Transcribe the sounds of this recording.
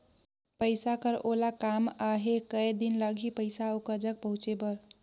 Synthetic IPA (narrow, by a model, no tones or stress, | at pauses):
pəɪsakəɾolakamaɦekəjd̪inləɡʱipəɪsaokəɾd͡ʒək̚pəɦũt͡ʃebəɾ